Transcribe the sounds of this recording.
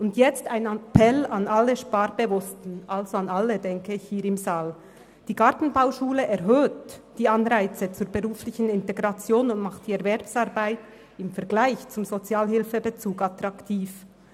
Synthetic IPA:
ʊntjɛt͡staɪnapʰɛlɑnalːəʃpaːɾbəvʊstn̩ʔalzoɑnɑlːədɛŋkəɪçhiːɾɪmzaːl | d̥iːɡɑʁtn̩baʊʃuːləʔɛʁɦøːtd̥iːɑnʁaɪt͡sət͡suːɐbəʁuːflɪçən̩ɪnteɡʁɑt͡sjoːnʊntmɑχtd̥iɛɐvɛɾpsɑːɾbaɪt | ɪmfɛɐɡlaɪçt͡sʊmzot͡sjaːlɦɪlfəbət͡suːkɑtɾɑktʰiːf

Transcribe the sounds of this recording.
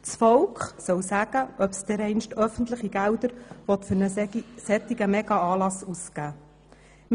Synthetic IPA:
t͡sfɔwkχsœwsæɡ̥əʔœpsd̥̪ɛɾɛɪnʃtœfən̩t̪ləχiɡ̥æwd̪əɾʋɔt̪fʏɾnəsɛt̪ːɪɡəmɛɡ̥ɑɑːlɑsuskæː | m

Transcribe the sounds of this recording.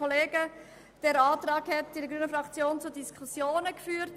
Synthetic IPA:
ɔleːɡə | d̥ɛɾaːtɾɑːkhɛtɪdəɡɾyːnəfɾɑkt͡sjoːnt͡sudiskʰχusjoːnəkfyːɾt

